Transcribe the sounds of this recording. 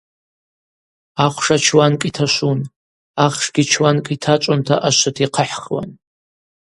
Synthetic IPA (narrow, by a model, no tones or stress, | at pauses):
aχʷʂat͡ʃʰwankʼitʰaʃʷun | aχʂɡʲit͡ʃʰwankʼitʰat͡ʃʷʼʊntʰaʔaʃʷatʰiqʰəħχwa̰n